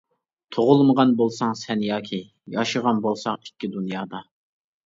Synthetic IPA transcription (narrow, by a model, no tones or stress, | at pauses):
t̪ʰoʁʊlˠməʁɑnbolˠsɑŋsɛnjɑːkʲʰi | jɑʃəʁɑnbolˠsɑŋi̥kʲʰːid̪unjɑːd̪ɑ